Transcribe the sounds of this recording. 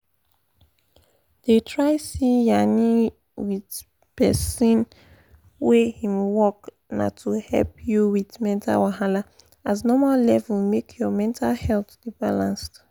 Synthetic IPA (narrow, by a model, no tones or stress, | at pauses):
d̥etʰɹaɪsijani | wid | pɛsĩn | wehĩmwɔk | na̰tʰuhɛ̰lpjuwidmɛ̃ntʰa̰waɦala | aznɔmallɛvulmekʰjɔmɛ̃ntʰalhɛltd̥ibalãnst